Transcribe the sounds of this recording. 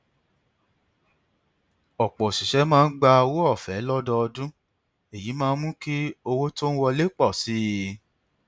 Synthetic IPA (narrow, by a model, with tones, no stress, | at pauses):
ɔ˨k͡pɔ˨si˨ʃɛ˨˦mãː˦˧˦n̩˦ɡ͡ba˧wo˦ɔ˦˨fɛ˨˦lɔ˦dɔ˧ɔ˧dũ˦ | e˨ji˨˦mãː˦˧˦mũ˦ki˦o˧wo˦to˦n̩˦wɔ˧le˦k͡pɔ˦˨si˨˦˧